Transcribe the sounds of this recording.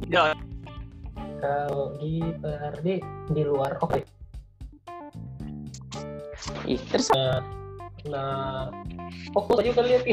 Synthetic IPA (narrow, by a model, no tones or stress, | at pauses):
da | kaɡipəardidiluaroke | ḭt̪əɾsa | na | fokʊd͡ʒukaliapi